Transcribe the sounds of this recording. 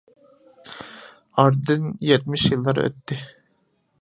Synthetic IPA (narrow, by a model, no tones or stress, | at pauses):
ɑɾd̪ɨnjɛt̪̚mɪʃjɨlˠːɑɾø̰t̪ːɪ